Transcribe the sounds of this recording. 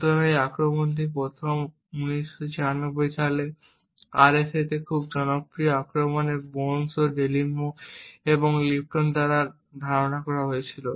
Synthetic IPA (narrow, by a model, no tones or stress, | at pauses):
t̪bamejakɾomond̪ip̬ɾot̪ʰom | uniʃːot͡ɕianobːojʃale | aɾeset̪ekʰubd͡ʑɔnopɾijoakɾomonebonsoɖelinːoeboŋlip̚ʈond̪aɾaɾ | d̪ʱaɾonakɔɾaɦojet͡ɕʰilo